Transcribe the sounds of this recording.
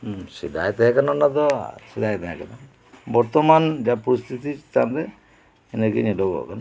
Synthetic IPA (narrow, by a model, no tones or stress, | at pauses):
sid̪ajt̪ɛɦɛ̃kananad̪ɔ̰sid̪ajt̪ɛɦɛ̃kana | bɔɾt̪ɔmand͡ʒapɔɾist̪ʰit̪it͡ʃt̪and̪ɛ | ɛnekiɲeɖɔɡɔ̰kana